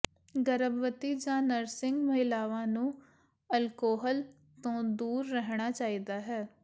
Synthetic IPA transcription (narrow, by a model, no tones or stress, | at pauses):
ɡəɾəbʋət̪iːd͡ʒãːnəɾsɪŋɡməɦɪlaːʋãːnũː | əlkoːɦəl | t̪õːd̪uːɾːəɦɳ̃aːt͡ʃaːiːd̪aːɦɛː